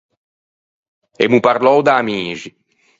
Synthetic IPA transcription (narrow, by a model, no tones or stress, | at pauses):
emupaɾlɔwd̪aːmiːʒi